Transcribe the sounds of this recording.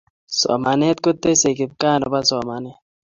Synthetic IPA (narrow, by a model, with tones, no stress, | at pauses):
sɔ̰˨ma˨ne˦t̪̚ko˦t̪ːe˦se˨ɡɪ˨b̚kaː˦˨nɔ˨ba˦sɔ˨ma˨ne˦